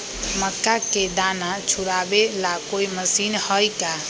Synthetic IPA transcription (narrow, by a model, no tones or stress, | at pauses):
məkːaked̪anat͡ʃʰuɾabelakojməsinhəjka